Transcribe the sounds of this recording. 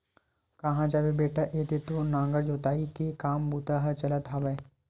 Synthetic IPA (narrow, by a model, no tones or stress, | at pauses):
kɐɦãd͡ʒabebeːʈaʔeːd̪et̪onãːŋɡəɾd͡ʒoːt̪aːikekaːmbuːt̪aɦɐt͡ʃɐlət̪ɦaːbɛː